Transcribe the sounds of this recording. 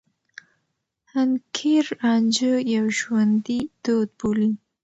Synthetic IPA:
hankʰeɾɑnd͡ʒəjawʒwand̪id̪̥od̪̚boli

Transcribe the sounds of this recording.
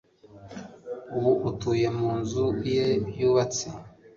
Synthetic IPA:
uβuʔutuːje̞muːnzujebjuːβat͡si

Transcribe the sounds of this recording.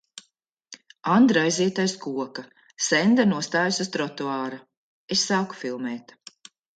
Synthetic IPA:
and̪ɾajziːt̪ajskuɔka | sɛnd̪anuɔst̪aːjusust̪ɾɔt̪uaːɾu | essaːku̥filˠmɛːt̪

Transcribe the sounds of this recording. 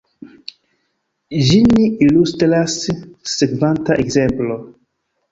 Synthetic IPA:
d͡ʒiniilustɾasːekvantaʔekzemplo

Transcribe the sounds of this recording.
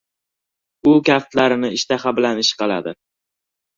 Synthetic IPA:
ʊkʲaft̪laɾɪnɪɪʃt̪aχabɪlanɪʃqʰɑlˠa̰d̪ɪ̰

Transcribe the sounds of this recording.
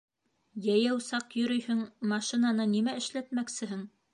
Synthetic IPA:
jæjæwsɑqjɵ̆ɾɵjhɵŋmɑʃinanɤnimæɘ̆ʃlæt̪mæksɘ̆ɦɘŋ

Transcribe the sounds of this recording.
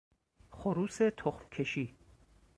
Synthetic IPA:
χoɾuːset̪ʰoχmkʰe̞ʃiː

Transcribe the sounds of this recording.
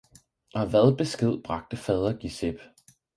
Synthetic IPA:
ɒ̽ʋæðˠb̥e̝sɡ̥e̝ð̞̰ˠb̥ʁɑ̈ɡ̥̚d̥əfɛð̞ˠɐɡ̥iseb̥

